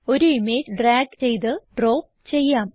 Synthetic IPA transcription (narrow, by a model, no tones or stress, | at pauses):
o̞ɾuime̞ːd͡ʑɖraːɡt͡ɕe̞jt̪ɨɖro̞ːp̚ | t͡ɕe̞jːaːm